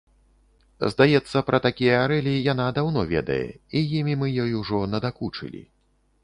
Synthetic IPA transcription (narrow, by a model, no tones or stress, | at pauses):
zd̪ajɛt̪sːɐpɾʔɐt̪akʲijɐaɾɛlʲijan̪ad̪awnɔvʲɛ̰d̪ɐ̰jɛ̰ijimʲimɨjɔjuʐɔnɐd̪akut͡ʂɨ̰lʲḭ